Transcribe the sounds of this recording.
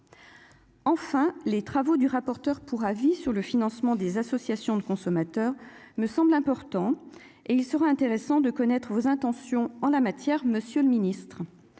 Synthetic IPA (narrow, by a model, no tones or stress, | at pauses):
ɑ̃fɛ̃let̪χavod̪yʁapɔʁt̪œʁpʰuʁavisyʁləfinɑ̃smɑ̃d̪ezasɔsjasjɔ̃d̪əkɔ̃sɔmat̪œʁməsɑ̃blɛ̃pɔʁt̪ɑ̃ | eilsəʁaɛ̃t̪eʁesɑ̃d̪əkɔnɛt̪χəvozɛ̃t̪ɑ̃sjɔ̃ɑ̃lamat̪jɛʁməsjøləminist̪χ